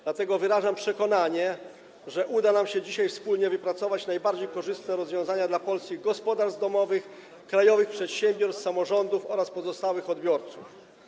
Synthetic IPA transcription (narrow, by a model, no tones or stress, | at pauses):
d̪lat̪ɛɡɔvɘɾaʐampʂɛkɔnaɲɛ | ʐɛʔud̪anamɕɛd͡ʑiɕajfspulɲɛvɘpɾat̪sɔvat͡ɕnajbaɾd͡ʑejkɔʐɘst̪nɛɾɔzvʲjɔ̃w̃zaɲad̪lapɔlsʲiɡɔspɔd̪aɾzd̪ɔmɔvɘx | kɾajɔvɘxpʂɛt̪ɕɛmbʲjɔɾst̪samɔʐɔnd̪ufɔɾaspɔzɔst̪awɘxɔd̪bʲjɔɾt̪suf